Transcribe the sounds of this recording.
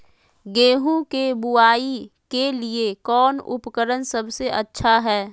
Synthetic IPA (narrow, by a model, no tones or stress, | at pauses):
ɡeːɦũkebuaːi | keliekɔːnʊ̰pkəɾənsɐbseʔɐtːʃʰaɦɛː